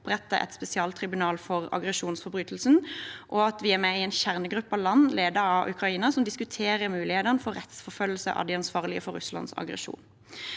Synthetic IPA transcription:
pʁɛt̪ːəʔɛ̰t̪spɛsɪɑːlt̪ʰʁɪbʉnɑːlfɔʁɑ̰ɡʁɛʃuːnsfɔʁbʁyːt̪l̩sn̩ʔɔɑt̪ʋɪæʁmɛɪeːnçæʁnəɡʁʉpːɑlɑnːleːd̪əɑʔʉ̰kʁɑiːnɑsɔmd̪ɪskʉt̪ʰeːʁəʁmʉːlɪheːd̪ənəfɔʁʁɛt̪sfɔʁfœlːl̩sə̰ʔɑ̰d̪ɛɑnsʋɑːʁlɪəfɔɾːʉ̰slɑ̰nsɑ̰ɡʁɛ̰ʃṵːn

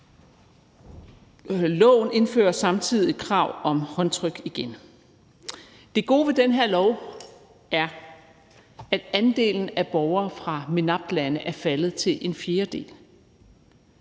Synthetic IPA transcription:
lɔ̰̽ːʊ̰n̩e̝nfø̰ːɐsɑ̈mt͡sʰið̞̰ˠikʰʁɑ̈ʊ̰ɒ̽mhɒ̽nt͡sʰʁœɡ̥iɡ̥en | d̥e̝ɡ̥o̝̰ːʋe̝d̥enɦe̝ɐ̰lɒʊ | ʔæɐ | æd̥ænd̥e̝̰ːln̩æb̥ɒʊɐːfʁɑ̈menɑ̈b̥̚lænəʔæɐfælð̞̩ˠt͡sʰe̝lʔe̝nfje̝ːɐd̥e̝̰ːl

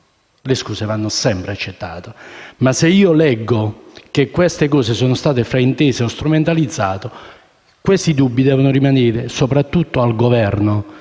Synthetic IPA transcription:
leskuːsevanːʊsɛmpɾeat͡ʃːet̪ːa̰ːt̪omaseiːolɛɡːok̟ekːwɛst̪ekɔːsesoːnʊst̪aːt̪efɾaint̪eːseost̪ɾument̪alid̪zːa̰ːt̪o | kwest̪id̪ubːid̪ɛːvonʊrimaneːɾɪsopɾat̪ːut̪ːoalɡovɛrno

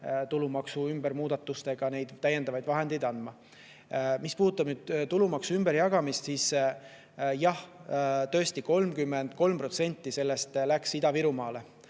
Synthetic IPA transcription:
t̪ulumɑksuymbeɾmuːd̪̥ɑt̪ːˑust̪e̞ɡ̥ɑne̞jd̪t̪ːæje̞nd̪ɑvɑjd̪vɑɦe̞nd̪ijd̪ɑnmɑ | mispuːt̪ːˑɑb̥nyːd̪̥t̪ulumɑksuymb̥eɾjɑɡɑmist̪siːs | jɑht̪ø̞est̪iko̞lmkymːe̞nd̪̥ko̞lmpro̞t̪se̞nʲt̪ːise̞lːe̞st̪læksid̪ɑviɾumɑːle̞

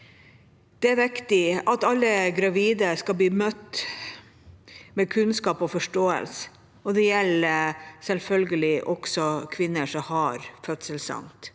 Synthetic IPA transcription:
d̪̥ɛæɾʋɪkt̪ɪɑt̪ɑlːəɡɾɑʋiːd̪əskɑbliːmœt̪ː | mɛkʰʉnskɑːpɔfɔʂʈoːə̰ls | ɔd̪ɛjɛlːsɛlfœlɡəlɪʔɔksɔkʰʋɪnːəʂɔmhɑɾfœt̪səlsɑ̰ŋt̪

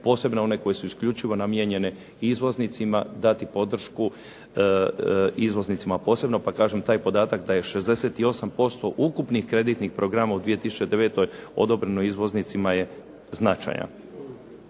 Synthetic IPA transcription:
po̞ːse̞bnoo̞ne̞ko̞je̞suiskʎʲut͡ʃiʋo̞namjeɲe̞ne | izʋo̞znit̪simad̪at̪ipo̞d̪r̩ʃku | izʋo̞znit̪simapo̞ːse̞bno̞pakaːʒemt̪aːjpo̞d̪aːt̪akd̪aje̞ʃe̞zd̪e̞se̞t̪io̞sampo̞st̪o̞ʔukupnixkɾe̞d̪it̪nixpɾo̞ɡɾamaud̪ʋije̞t̪isu̥t͡ʃe̞d̪e̞ʋe̞ːt̪o̞jo̞̰d̪o̞bɾenoizʋo̞znit̪simaje̞ | znat͡ʃa̰jna̰

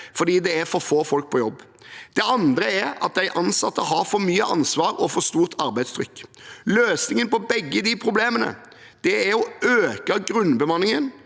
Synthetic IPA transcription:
fɔd̪iːd̪ɛæɾfɔɾfoːfɔlk̚pʰɔjɔbː | d̪̥ɛɑnd̪ɾəɛɾɑ̰t̪̚d̪æɪʔɑnsɑt̪ːəɦɑɾfɔɾmyːəʔɑ̰nsʋɑːɾɔfɔɾst̪uːʁt̪ʰɑɾbæɪt̪st̪ʰɾʏkːløːsnɪŋənpɔbɛɡːəɪd̪ipʰɾʊbleːmənə̰ | d̪̥ɛæɾɔøːkəɡɾʉnːbəmɑnːɪŋən

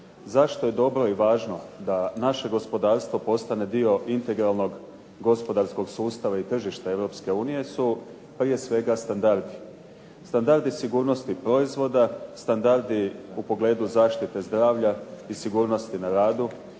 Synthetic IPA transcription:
zaʃt̪o̞je̞d̪o̞bɾo̞iʋaːʒno̞d̪anaʃe̞ɡo̞spo̞d̪aːɾst̪ʋo̞po̞st̪ane̞d̪io̞ʔint̪e̞ɡɾalˠno̞ɡ | ɡo̞spo̞d̪aɾsko̞ɡsuːst̪aʋait̪r̩ʒiʃt̪ae̞ʋɾo̞pske̞uːnije̞su | pɾije̞sʋe̞ɡast̪and̪aɾd̪i | st̪and̪aɾd̪isiɡuːɾnost̪ipɾo̞izʋo̞d̪ast̪and̪aɾd̪iupo̞ɡle̞ːd̪uzaːʃt̪it̪e̞zd̪ɾaːʋʎaisiɡuːɾno̞st̪inaɾaːd̪u

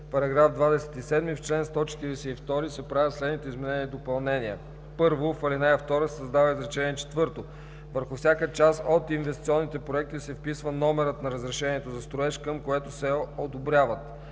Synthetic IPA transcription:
pɐɾɐɡɾavfd̪vad̪ɛsɛ̥t̪isɛd̪mift͡ʃlɛnst̪ɔt͡ʃɛ̥t̪iɾɛsɛift̪ɔɾisɛpɾavʲjət̪slɛd̪nit̪ɛizmɛnɛniɛd̪opɐlˠnɛniə | pɤɾvofəlinɛjəft̪ɔɾəsɛsəzd̪avəizɾɛt͡ʃɛniɛt͡ʃɛ̥t̪vɤɾt̪o | vəɾxʊfsʲakət͡ʃasot̪invɛst̪i̥t̪siɔnːit̪ɛpɾoɛk̚t̪isɛfpisvənɔmɛɾət̪nɐɾəzɾɛʃɛniɛt̪ozɐst̪ɾoɛʃkəmkoɛt̪osɛod̪obɾʲjavət̪

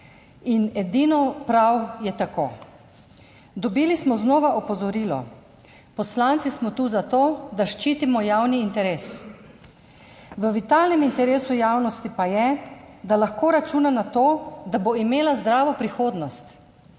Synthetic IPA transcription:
inɛd̪iːnɔpɾawjɛt̪ako̰ː | d̪ɔbiːlismɔznɔːʋaʔɔpɔzɔɾiːlɔ̰ | pɔslant̪sismɔt̪uːzat̪oːd̪aʃt͡ʃiːt̪imɔjawniːnt̪ɛɾeːs | ʋəʋit̪aːlnɛmint̪ɛɾeːsujaːwnɔst̪ipajɛ | d̪alaxkoːɾat͡ʃuːnanat̪oːd̪aboimeːlazd̪ɾaːʋɔpɾixoːd̪nɔst̪

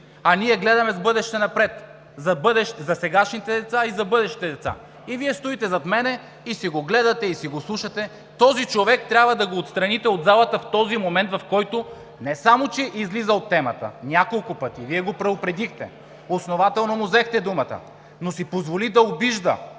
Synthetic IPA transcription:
ɐnʲiɛɡlɛd̪ɐmɛzbɤd̪ɛʃt̪ɛnɐpɾɛt̪ | zɐbɤd̪ɛʃt̪ɛzɐsɛɡaʃnit̪ɛd̪ɛt̪saizɐbɤd̪ɛʃit̪ɛd̪ɛt̪sa̰ | iviɛst̪oit̪ɛzɐt̪mɛnɛ | isiɡoɡlɛd̪ɐt̪ɛisiɡoslˠuʃɐt̪ɛ | t̪ɔzit͡ʃovɛk̚t̪ɾʲabvɐd̪ɐɡoːt̪st̪ɾɐnit̪ɛod̪zalˠɐt̪əft̪ɔzimomɛnt̪vɐfkɔjt̪o | nɛsamot͡ʃɛʔizlizɐot̪ːɛmɐt̪ə̰nʲakolˠkʊpɤt̪iviɛɡopɾɐopɾɛd̪ixt̪ɛ | osnovat̪ɛlˠnomʊzɛxt̪ɛd̪umɐt̪ə̰ | nosipozvolid̪ɐobiʒd̪ə̰

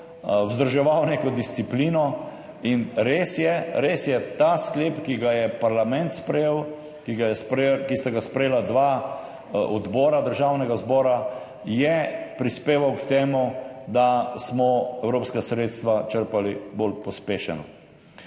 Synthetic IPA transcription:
wzd̪əɾʒɛʋawneːkɔd̪ist̪sipliːnɔ | inɾeːsjɛɾeːsjɛt̪askleːpkiɡajɛpaɾlamɛnt̪spɾɛjeːw | kiɡajɛspkist̪aɡaspɾɛjeːlad̪ʋa | ɔd̪bɔːɾad̪əɾʒaːwnɛɡazbɔːɾa | jɛpɾispeːʋawkt̪eːmud̪asmɔɛwɾoːpskasɾeːt̪st̪ʋat͡ʃəɾpalibolpɔspeːʃɛ̰nɔ̰

